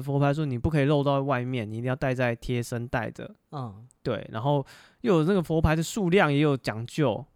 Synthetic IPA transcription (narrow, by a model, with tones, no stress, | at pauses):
fɔ˧˥pʰa˧˥ɪʂ̬wɔ˥ni˨˩pu˥˩kʰɤ˧˥i˨˩lo˥˧ʊt̪ɑ˥˧ʊwa˥˧ɪmjɛ˥˩ni˨i˥˧i˥˧jt̪ɪt͡sa˥˩ɪt̪ʰjɛ˦sə˦nt̪a˥˩ɪd̪ə̰˩˨ | t̪we˥˩ɪna̰˧˥nxo˥˧ʊ | jo˥˨˩ʊna˥˩ɡə˩fɔ˧˥pʰa˧ɪd̪ə˨ʂu˥˧ljɑ˥˨ŋjɛ˨˥jo˨˩ʊt͡ɕjɑ˨˩ŋt͡ɕjo˥˩ʊ